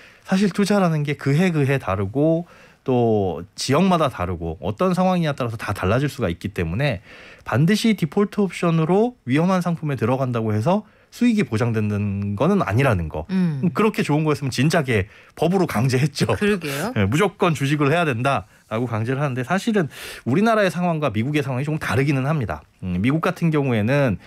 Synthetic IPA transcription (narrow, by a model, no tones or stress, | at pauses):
sʰaɕ̬ʰiɭtud͡ʑaɾanɯnɡe̞kɯɦe̞ɡɯɦe̞taɾɯɡo | t͈ot͡ɕijʌŋmadataɾɯɡo̰ʌ̰t͈ʌnsʰaŋɦwaŋiat͈ʌɾasʰʌtataɭːad͡ʑiɭs͈uɡaik̚k͈it͈e̞mune̞pandɯɕʰitipʰoɭtʰoːp̚ɕ͈ʌnɯɾoɥijʌŋɦansʰaŋpʰume̞tɯɾʌɣandaɡohe̞s̬ʰʌ | sʰuiɡipod͡ʑaŋdwendɯnɡʌnɯna̰ɲiɾanɯnɡʌ̰kɯɾʌkʰe̞t͡ɕoɯnɡʌjʌs͈ɯmjʌnt͡ɕint͡ɕ͈aɡe̞ | pʌbɯɾokaŋd͡ʑe̞ɦet̚t͡ɕ͈oɯɾɡejemud͡ʑok̚k͈ʌnt͡ɕuɕ̬ʰiɡɯɾohe̞jadwenda | ɾaɡokaŋd͡ʑeɾɯɭɦanɯnde̞sʰaɕʰiɾɯnuɾinaɾae̞sʰaŋɦwaŋɡwamiɡuɡe̞sʰaŋwaŋit͡ɕoŋkɯmtaɾɯɡinɯnhamɲida̰ | miɡuk͈atʰɯnɡjʌŋue̞nɯn